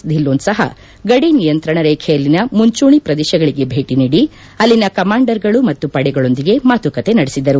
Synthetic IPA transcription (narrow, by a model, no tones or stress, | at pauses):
d̪ʱilːoːnsɐɦɐ̰ | ɡɐɽinijɐnt̪ɾɐɳɐɾeːkʰɛjɐlːinɐmuɲt͡ʃuːɳipɾɐd̪ɛːʃɐɡɐɭiɡe̞bʱe̞ːʈiniːɽi | ɐlːinɐkɐmaːɳɖɐɾɡɐɭumɐt̪ːupɐɽɛɡɐɭo̞nd̪iɡe̞maːt̪ukɐt̪e̞nɐɽesid̪ɐɾu